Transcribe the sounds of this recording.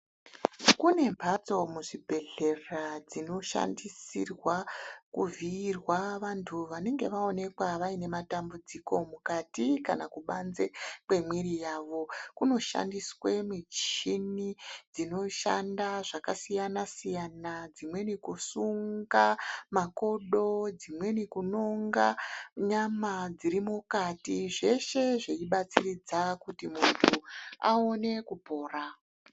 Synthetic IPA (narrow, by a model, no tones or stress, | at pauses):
kune̞mbʱat͡so̞muʐibʱe̞ɮe̞rad͡zino̞ʃa̰ndisḭrwakuviːrwaʋantʰuʋane̞ŋɡe̞ʋao̞ne̞kwaʋaine̞matambud͡ziko̞mukatika̰nakuɓanzekwe̞mwiɾijaːʋo̞kuno̞ʃa̰ndiswemit͡ʃinid͡zino̞ʃa̰ndaʐakasijanasijanad͡zimwe̞nikusuŋɡamako̞ɗo̞d͡zimwe̞nikuno̞ŋɡaɲamad͡ziɾimukatiʐe̞ʃe̞ʐeiɓat͡sirid͡zakutimuntʰua̰one̞kupo̞ːra